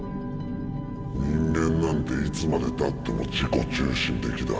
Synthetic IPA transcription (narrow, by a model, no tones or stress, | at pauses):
ɲĩŋɡẽ̞nːãnt̪e̞it͡sɨmad̪e̞t̪at̪ːe̞mo̞̰d͡ʑiko̞t͡ɕɨːɕĩnt̪e̞kʲid̪a̰